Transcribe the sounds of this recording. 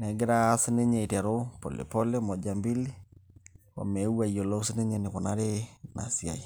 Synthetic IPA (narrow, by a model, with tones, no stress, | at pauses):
nɛ˨ɡe˦ɾaː˦si˦ne˦ɲɛ˨i˨tɛ˨ɾo˦pɔ̰˨lḛ˨pɔ˦le˦mɔ˨d͡ʒa˨mbi˦li˦ | wɔ̰˨mɛ˨˦u˦wa˨iɔ˨lɔ˦si˦ne˦ɲɛ˨nɪ˨kɔ˨na˦ɾe˦na̰˨sja̰˨i˨